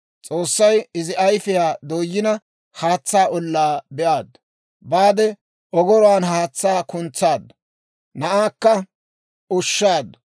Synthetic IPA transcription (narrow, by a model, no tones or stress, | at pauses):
t͡sʼoːsːɐjɪzɪʔɐjfɪjaːd̪oːjːɪnɐ | haːt͡sːaːʔɔlːaːbɛʔaːd̪ɐ | baːd̪ɛ | ʔɔɡɔɾɔwaːnɦaːt͡sːaːkʊnt͡sːaːd̪ːɐ | nɐʔaːkːɐ | ʔʊʃːaːd̪ɐ